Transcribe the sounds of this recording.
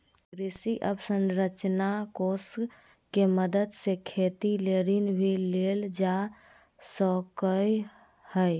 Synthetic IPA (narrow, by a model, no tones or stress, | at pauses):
ɾisiʔəbsə̃nɾət͡ʃnakos | keməd̪əd̪sekʰet̪ileɾinbʱileld͡ʒa | səkəj | həj